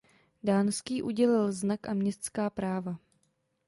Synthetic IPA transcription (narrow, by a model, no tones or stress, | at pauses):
daːnskiːʔuɟɛlɪlznakʔamɲɛst̪skaːpɾaːva